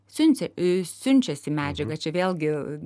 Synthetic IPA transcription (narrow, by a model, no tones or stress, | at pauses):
sʲynʲsʲɛsʲynʲt͡ʃʲɛsʲɪmʲæːd͡ʒʲɛɡɐt͡ʃʲɛʋʲeːlʲɡʲɪ